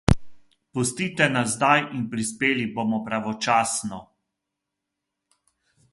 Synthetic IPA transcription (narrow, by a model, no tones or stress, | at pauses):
pɔst̪iːt̪ɛnazːd̪ajinpɾispeːliboːmɔpɾaʋɔt͡ʃaːsnɔ